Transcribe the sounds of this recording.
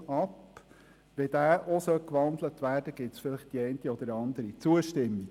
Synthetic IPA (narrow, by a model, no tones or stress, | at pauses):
ɑp | ʋɛd̥̪æːɾʔosœlkʋɑnd̪lətʋæːɾd̥əɡ̥ɪtsfɪlɪχtd̥iɛɪntiɔd̥̪əɾɑnd̪əɾit͡suəʃtɪmːi